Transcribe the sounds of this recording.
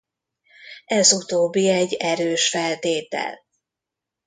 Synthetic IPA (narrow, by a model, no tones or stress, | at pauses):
ɛzut̪oːbːiɛɟːɛɾøːʃfɛlt̪eːt̪ɛ̰l